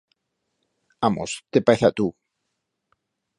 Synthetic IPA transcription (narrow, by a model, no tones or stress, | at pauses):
amo̰st̪epaeθat̪u